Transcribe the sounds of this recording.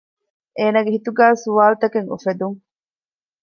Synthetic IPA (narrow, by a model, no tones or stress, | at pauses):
ʔeːnaːɡeɦit̪uɡæːsuʋaːlut̪ɐkeŋṵfed̪uŋ